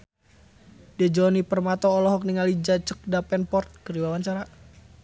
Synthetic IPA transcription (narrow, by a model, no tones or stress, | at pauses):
dɛd͡ʒɔnipərmat̪ɔːlɔɦɔk̚niŋalid͡ʒat͡ʃək̚dapɛnpɔrt̪̚kəɾiwawaɲt͡ʃaɾa